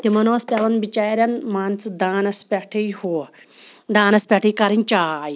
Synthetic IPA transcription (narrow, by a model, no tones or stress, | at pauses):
t̪emɐnoɐstʲjaʋɐnbit͡ɕajɾʲjanmant͡sd̪aːnɐspʲaʈʰejho | d̪aːnɐspʲaʈʰəjkaɾint͡ɕaj